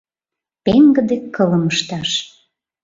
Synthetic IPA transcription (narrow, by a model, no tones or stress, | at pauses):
peŋɡə̆d̪ekʰːələməʃt̪ɑʃ